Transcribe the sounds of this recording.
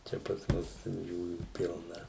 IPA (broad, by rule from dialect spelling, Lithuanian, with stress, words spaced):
ˈt͡ʃʲɛ pɐs ˈmʊs tʲɛn ˈjuːjuː ˈpʲɪlˠnɐ